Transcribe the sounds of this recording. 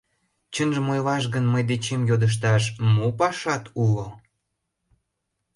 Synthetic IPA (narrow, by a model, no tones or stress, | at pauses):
t͡ɕənʒəmojlɑʃ̬ɣənməjd̪et͡ɕemjod̪əʃ̬t̪ɑʃmopɑʃɑt̪ulo